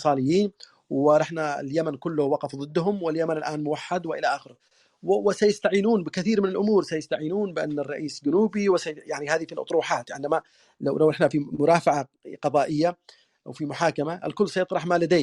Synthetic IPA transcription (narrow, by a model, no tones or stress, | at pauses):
sˤɑːlɪjːiːn | wɪɾˤɑħnaɪ̰ljamankʊlːʊhwɑqɑfðˤɨd̪ːɦʊmwɪljamanɪlʔaːnmʊwaħːad̪wɪʔɪlaʔaːxɪɾ | wɪsajɪst̪aʕiːnuːnbɪkɪθiːɾmɪnɪlʔʊmuːɾsajɪst̪aʕiːnuːnbɪʔa̰nːɨrˤːɑʔiːsd͡ʒʊnuːbiwɪsajaʕnihaːðifilʔɑ̰t̪ˤɾuːħaːt̪ʕɪnd̪ama | lawlawʔɪħnafimʊɾaːfaʕaqɑðˤɑːʔɪjːa | ʔa̰wfimʊħaːkamaʔɪ̰lkʊlːsajɑt̪ˤɾɑħmaːlad̪eː